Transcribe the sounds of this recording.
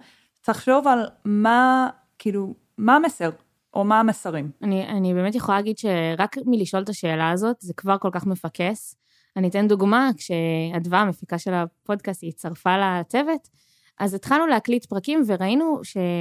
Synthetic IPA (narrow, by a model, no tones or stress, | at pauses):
tʰaχʃo̞valma | kiːlu | maameseʁ | ʔomaamesaʁimanianibe̞me̞tjeχolalaɡidʃe̞ʁakmiliʃʔo̞ltaʃe̞ːlaːzo̞tzekvaʁko̞lkaχmefakes | anitenduɡmakʃeadvaamefikaʃe̞lapo̞dkastit͡saʁfalat͡se̞ve̞t | ʔazet̪χalnulehaklitpʁakimve̞ʁainuʃe̞